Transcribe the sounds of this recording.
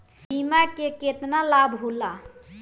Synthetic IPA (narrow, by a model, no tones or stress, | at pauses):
bimakeket̪nalabɦula